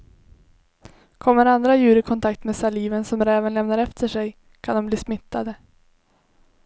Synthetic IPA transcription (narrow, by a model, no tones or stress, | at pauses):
kʰɔmːəɾand̪ɾajʉ̟ːɾɪkʰɔnt̪ʰak̚t̪meːsaliːvənsɔmɾɛːvənlɛmnaɾɛft̪ʰəʂɛj | kʰand̪ɔmbliːsmɪt̪ːad̪ə